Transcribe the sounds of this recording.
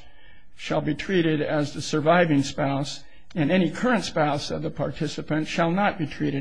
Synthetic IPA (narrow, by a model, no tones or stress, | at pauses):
ʃəlˠbitʰɹ̥iɾɪɾɨzðɨsə˞vaɪvɪ̃ŋspaʊs | ɨ̃nɛñikʰɜ˞ɨ̃ntspaʊsʌvðəpʰɑɹtʰɪsɨpɨ̃ntʃəlˠnət̚b̥itʰɹ̥iɾɨ